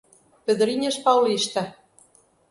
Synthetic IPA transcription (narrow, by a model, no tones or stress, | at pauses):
pɘ̆ðɘ̆ɾinʲeʃpɑwliʃt̪æ